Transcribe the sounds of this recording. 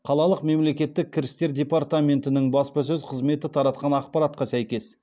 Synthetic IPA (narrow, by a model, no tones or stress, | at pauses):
qʰɑlˠɑlˠəqme̞mle̞kʲe̞t̪ːɪkʲʰːɪɾɪst̪e̞ɾd̪ʲe̞paɾt̪amʲe̞nt̪ɪnɪŋbɑspɑs̬ɵzqʰəzme̞t̪ɪt̪ʰɑɾɑt̪̚qɑnɑqpɑɾat̪qɑsæjkʲe̞s